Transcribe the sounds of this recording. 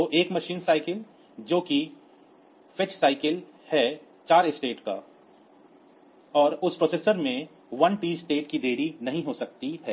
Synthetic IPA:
t̪oːʔeːkmɐʃiːnsaːɪkəl | d͡ʒoːki | fʰɪt͡ʃsaːɪkəl | hɛ | t͡ʃaːɾɪsʈeːʈka̰ | ɔːɾʊspɾoːseːsəɾmẽ | ʋɐnʈiːsʈeːʈkid̪eːɽinɐɦĩɦosɐk̚t̪iɦɛː

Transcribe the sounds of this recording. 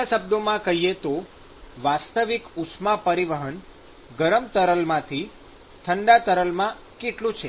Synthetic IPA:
asəb̚d̪omãkəɦijet̪o | ʋast̪əʋikʊsmapəɾiʋəɦəɳ | ɡəɾəmt̪əɾəlmãt̪ʰi | t̪ʰəɳɖat̪əɾəlmã | keʈlũt͡ʃʰe

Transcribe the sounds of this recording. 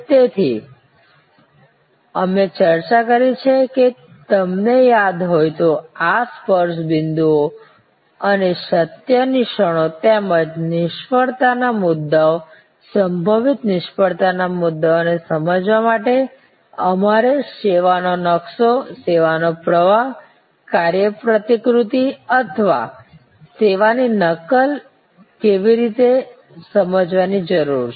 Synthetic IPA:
t̪et̪ʰḭ | əmet͡ʃəɾt͡ʃakəɾit͡ʃʰeke | t̪əmnejad̪ɦojt̪oaspəɾʃbɪnd̪uo | əneʃət̪jəniʃəɽ̃ot̪eməd͡ʒnɪʃpəɭt̪anamʊd̪ːao | səmbʱəʋit̪nɪʃpəɭt̪anamʊd̪ːaonesəməd͡ʒʋamaʈe | əmaɾeʃeʋanonəksoseʋanopɾəʋaɦ | kaɾjəpɾət̪ikɾut̪iət̪ʰəʋa̰ | seʋaninəkəl | keʋiɾit̪e | səməd͡ʒʋanid͡ʒəɾuɾ

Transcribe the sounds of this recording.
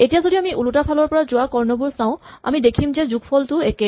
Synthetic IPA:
etijazodiamiʔulutapʰalɔɹpɔɹazʊwakɔɹnɔbuɹsãʊ̃a̰midekʰimzɛzuɡpʰɔltʊɛkɛ

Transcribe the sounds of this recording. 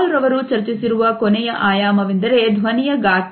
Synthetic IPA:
lɾɐʋɐɾut͡ʃɐɾt͡ʃisiɾuʋɐkonɛjɐʔaːjaːmɐʋind̪ɐɾe̞d̪ʱʋɐnijɐɡaːt̪

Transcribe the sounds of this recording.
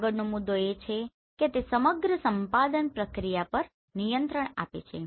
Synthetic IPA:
ɡəɽnomud̪ʱːoet͡ʃʰe | ket̪esəməɡɾəsəmpad̪ənpɾəkɾijapəɾ | nijənt̪ɾəɳ̃a̰pḛt͡ʃʰḛ

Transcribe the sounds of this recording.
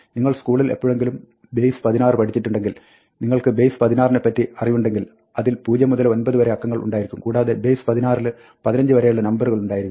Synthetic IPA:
niŋːɐɭskuːɭilepːoːɻe̞ŋɡilum | be̞jspɐðinaːrɨpɐʈʰit͡ɕːiʈːuɳɖe̞ŋɡil | niŋːɐɭkɨbe̞jspɐðinaːrinepːɐtːiɐrijuɳɖe̞ŋɡil | ɐðilpuːd͡ʑɐmuðɐlo̞nbɐðɨʋɐɾeɐkːɐŋːɐɭṵɳɖaːjiɾikʲːumkuːɽaːðe̞be̞jspɐðinaːrilɨ | pɐðinɐɲd͡ʑɨʋɐɾejuɭːɐnɐmbɐruɣɐɭuɳɖaːjiɾikːm

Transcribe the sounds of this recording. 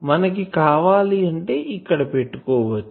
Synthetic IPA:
mɐnkikaːʋaːliəɳɖeɪkəɽpeːʈkoːʋə

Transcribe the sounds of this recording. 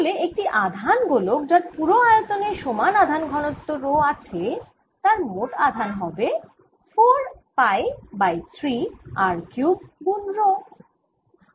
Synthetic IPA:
oleek̚ʈiʔad̪ʱanɡolok̚d͡ʑaɾpuɾoajot̪oneʃomanad̪ʱanɡʱɔnot̪ːoɾoat͡ɕʰe | t̪aɾmoʈad̪ʱanɦɔbe | foɾ | pajbajt̪ʰɾiaɾkjubunɾo

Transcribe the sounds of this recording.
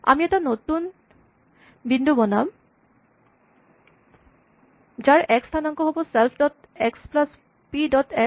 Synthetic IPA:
a̰miɛʈanot̪un | binɖubonam | d͡ʑaɾɛkst̪ʰanaŋkoɦoboselpʰɖɔʈ | eksplas | piɖɔte

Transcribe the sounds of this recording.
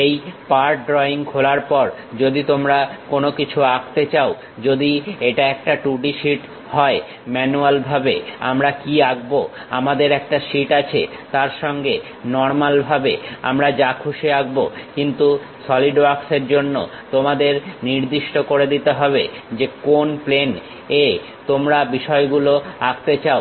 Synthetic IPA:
ejpaɾʈ̚ɖɾɔiŋkʰolaɾpɔɾ | d͡ʑod̪it̪omɾakonokit͡ɕʰuakt̪et͡ɕao | d͡ʑod̪ieʈaɛk̚ʈaʈuʈiʃiʈ | hɔe | mɛnualbʱabea̰mɾakiaɡbo | a̰mad̪eɾɛk̚ʈaʃiʈat͡ɕʰḛt̪aɾʃɔŋɡe | nɔɾmalbʱabea̰mɾad͡ʑakʰuʃeaɡ̚bokint̪u | sɔliɖbakseɾd͡ʑonːo̰ | t̪omad̪eɾniɾd̪iʃʈokoɾed̪it̪eɦɔbed͡ʑekonplen | e | t̪omɾabiʃɔeɡuloakt̪et͡ɕao

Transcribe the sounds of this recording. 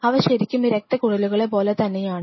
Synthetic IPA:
ɐːʋɐɕɐɾikʲːumiɾek̚t̪ɐkuɽɐluɣɐɭepo̞ːlet̪ɐnːejaːɳɨ

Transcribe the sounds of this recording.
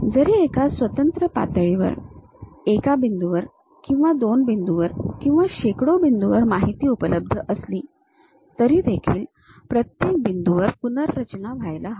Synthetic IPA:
d͡zəɾiekasʋət̪ənt̪ɾəpa̰t̪əɭiʋə̰ɾ | ekabind̪uʋəɾ | kĩw̃ʋad̪onbind̪uʋəɾkĩw̃ʋaɕekɽobind̪uʋəɾmaɦit̪iːupələb̚d̪ʱəʔəsliː | t̪əɾiːd̪ekʰḭːl | pɾət̪jek̚bind̪uʋəɾpunəɾːət͡ɕnaʋʱajlaɦa

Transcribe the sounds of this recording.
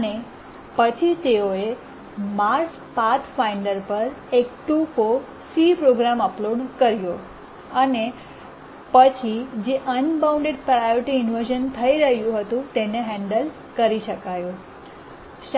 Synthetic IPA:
əne | pət͡ʃʰit̪eoe | maɾs | pat̪ʰfaiɳɖəɾpəɾek̚ʈufo | sipɾoɡɾaməploɖkəɾjo | əne | pət͡ʃʰid͡ʒeʔənbawũɳɖeɖpɾajoɾiʈiɪnʋəɾʒənt̪ʰəiɾəɦjũɦət̪ũt̪eneɦɛ̃ɳɖəl | kəɾiʃəkajũ | ʃ

